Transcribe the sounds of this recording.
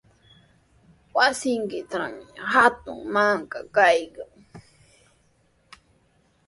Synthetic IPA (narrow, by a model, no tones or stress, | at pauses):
wasɪŋkɪt̪aŋɦat̪ʊ̰ŋmaŋkakajkaŋ